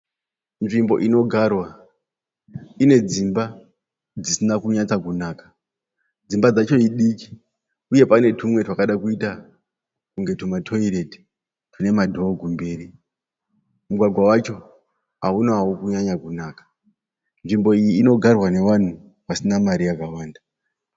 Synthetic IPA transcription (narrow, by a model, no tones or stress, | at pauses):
nʐimbo̞̰ʔino̞ɡʱarwa | ine̞d͡zimba | d͡zisinakuɲat͡sakunaːkḁ | d͡zimbad͡zat͡ʃo̞iɗiki̥ | uje̞pane̞tʰumwe̞twakaɗakuita | kuŋɡe̞tumatʰo̞iɾe̞di | tune̞madʱo̞ɡʱumbe̞ːri | muɡʱwaɡʱwawat͡ʃo̞ | ɦaunaaukuɲaɲakunaːkḁ | nʐimbo̞ijiːno̞ɡʱarwane̞wan̤u | wasinamaɾijakawaːnda